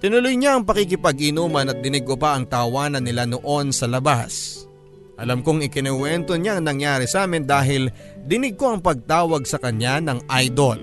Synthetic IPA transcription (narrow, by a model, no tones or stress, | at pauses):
t̪ɪnʊlojɲaʔɐŋpɐkɪk̬ɪpɐɡʔɪnuːmɐnɐt̪̚d̪ɪnɪɡ̚kopɐʔɐŋt̪ɐːwaːnɐnːɪlanoʔo̞nsɐlɐbas | ʔɐlamkoŋɪkɪnɛwɛnt̪o̞ɲaʔɐŋnɐŋjaːɾɪsaːmɪnd̪aːɦɪl | d̪ɪnɪɡ̚ko̞ɐŋpɐɡ̚t̪aːwɐɡ̚sɐkɐɲanɐŋʔajd̪ol